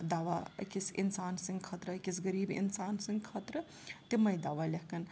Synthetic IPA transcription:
d̪aːʋakisinsaːnsĩŋɡkʰɐt̪ɾakisɡɐɾiːbḭnsaːnsiŋɡkʰɐt̪ɾə | t̪imɐjd̪aːʋalʲɐɦkɐn

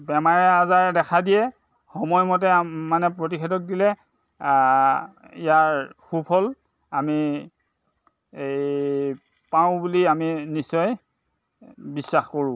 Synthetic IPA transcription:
bɛmaɹɛazaɹdɛkʰadijɛ | xɔmɔjmɔt̬ɛmanɛpɹot̬ikʰɛdɔk̚dilɛ | ijaɹxupʰɔl | ami | paʊ̃buliaminisːɔj | bisːaxkoɹʊ̃

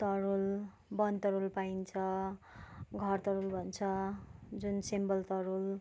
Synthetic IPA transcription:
t̪ʌɾul | bʌnt̪ʌɾulpaint͡sʰʌ | ɡʱʌrt̪ʌɾulbʱʌnt͡sʰʌd͡zunsimbʌlt̪ʌɾul

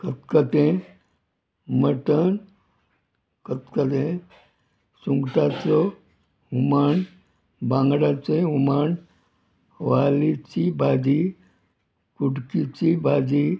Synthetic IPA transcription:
kət̪kət̪ẽ | məʈən | kət̪kət̪ẽ | sũŋɡʈ̪at͡so | umaːn | bãːŋɡɽat͡seɦumaːn | ʋaːlit͡ʃibaːd͡ʒi | kuʈkit͡ʃibaːd͡ʒi

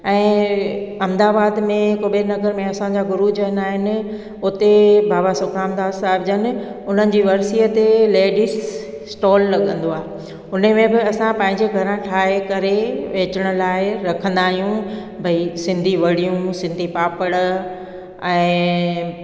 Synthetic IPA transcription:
ɛ̃ː | ɐmd̪aːbaːd̪mẽkobenɐɡəɾmẽɐsãd͡ʑaɡʊɾud͡ʑəɦnaːɦɪnɪ̆ | ʊt̪ebʱaːbasʊkʰaːmd̪aːd̪saːɪbd͡ʑənɪ̆ | ʊn̤ənɪ̆d͡ʑiːʋɐɾsiːət̪eleːɖɪs | sʈɔːlːɐɠə̃nd̪oaːɦe | ʊnəmẽbɪɐsãpɐ̃ɦɪ̃ɲd͡ʑeɡʱɐɾãʈʰaːɦekɐɾeʋeːt͡ɕəɽ̃ʊ̆laːɪɾɐkʰə̃nd̪aːɦijũ | bʱɐisɪ̃nd̪ʱiʋɐɽijũsɪ̃nd̪ʱipaːpəɽ | ɛ̃ː

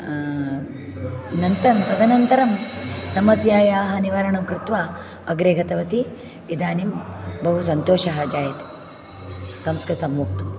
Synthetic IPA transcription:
nɐnt̪ɐɾɐmp̪ɐd̪ɐnɐnt̪ɐɾɐmsɐmɐsjaːjaːɦɐniʋɐɾɐɳɐmkɾɪt̪ʋaː | ɐɡɾeːɡɐt̪ɐʋɐt̪i | id̪aːnimbɐɦus̬ɐnt̪oːʃɐɦɐd͡ʒaːjɐt̪ | sɐmskɾɨt̪sɐmːuːk̚t̪u

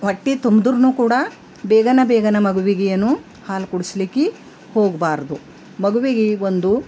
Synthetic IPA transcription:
ʋɐʈːit̪umd̪uɾnukuːɽɐ | bɛːɡɐnɐbɛːɡɐnɐmɐɡuʋiɡijɐnːu | haːlkuɽislikːi | ho̞ːɡbaːɾd̪u | mɐɡuʋiɡiond̪u

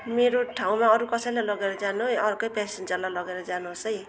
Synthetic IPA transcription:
meɾoʈʰaw̃maʌɾukʌsʌjlajlʌɡeɾʌd͡zanuʌɾkʌjpɛsend͡zʌrlajlʌɡeɾʌd͡zanuɦosʌj

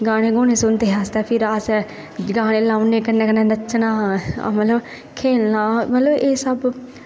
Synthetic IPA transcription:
ɡaːɽ̃ẽːɡoːɽ̃eːsʊnd̪eːɦaːst̪ɛːpʰɪɾaːsɛ | ɡaːɽ̃eːlaːʊneːkənẽːkənẽːd̪ət͡ʃʃnã̰ːmət̪ləb | kʰeːlnãːmət̪ləbeːsəb

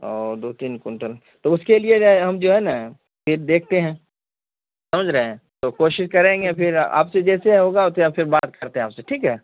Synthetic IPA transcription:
oːd̪oːt̪iːnkʊɳʈəl | t̪oʊskelieɦɐmd͡ʒoːɦɛna | pʰɪɾd̪eːkʰt̪eɦɛ̃ː | sɐməd͡ʒʱɾəɦeɛ̃t̪oːkoːʃɪʃkɐɾẽːŋɡepʰɪɾa̰ːpsed͡ʒɛːseɦoːɡaɔt̪eapʰɪɾbaːt̪̚kɐɾt̪eɦɛ̃aːpseʈʰiːkɦɛː

